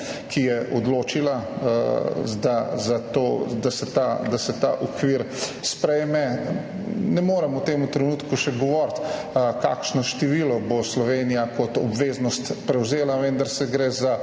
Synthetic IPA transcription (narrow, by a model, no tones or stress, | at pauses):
kʰijɛʔɔd̪loːt͡ʃila | d̪azat̪od̪asɛt̪ad̪asɛt̪a̰ʔɔkʋiːɾ | spɾɛjmɛ | nɛmoːɾɛmut̪eːmut̪ɾɛnuːt̪kuʃɛɡɔʋɔɾt̪ | ka̰ːkʃnɔʃt̪ɛʋilɔboslɔʋeːnijakɔt̪ɔbʋeːznɔst̪pɾɛwzeːlaʋɛ̃nd̪aɾsɛɡɾeza